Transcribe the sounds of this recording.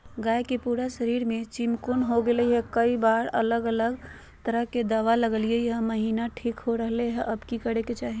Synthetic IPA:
ɡaekipuɾasəɾiɾmet͡ʃimkonɦoɡeləɦɛkəibaɾə̰ləɡələɡ | t̪əɾəɦked̪əʋaləɡəliəjɦə̃məɦinaʈʰikɦoɾəɦleɦɛʔəbkikəɽeket͡ʃaːɦi

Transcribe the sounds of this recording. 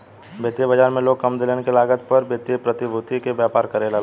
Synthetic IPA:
bʱet̪jəbɐd͡ʒaːɾmẽloːɡ̚kɐmd̪ɪlenekelaːɡət̪pɐɾbjet̪ijəpɾɐt̪ibʱʊt̪ikebjaːpaːɾkɐɾeːla

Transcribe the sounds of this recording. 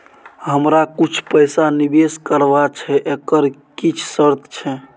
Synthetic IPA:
ɦəmɾakut͡ʃʰpəjsanibeskəɾbat͡ʃʰɛʔekəɾkit͡ʃʰsəɾt̪t͡ʃʰɛ

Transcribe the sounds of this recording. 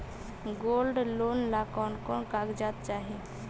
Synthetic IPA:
ɡolɖlonlakɔnkɔːnkaɡd͡ʒat̪̚t͡ʃaːɦi

